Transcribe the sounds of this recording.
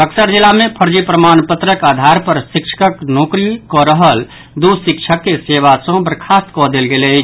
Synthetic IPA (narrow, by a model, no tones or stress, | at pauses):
əksəɾd͡ʒilːamẽpʰəɾd͡ʒipɾəmaːnpət̪ɾəkad̪ʱaɾpəɾsikt͡ʃʰə̥kəknoːkɾikɔɾəɦəl | d̪usɪk̚t͡ʃʰəkːeseʋasə̃bəɾkʰast̪kɔd̪elɡele